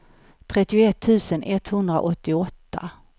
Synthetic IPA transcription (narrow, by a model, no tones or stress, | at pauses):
t̪ʰɾɛt̪ːɪʊɛt̪ʰːʉ̟ːsənʔɛt̪hɵnd̪ɾa̰ʔɔt̪ːɪɔt̪ːa̰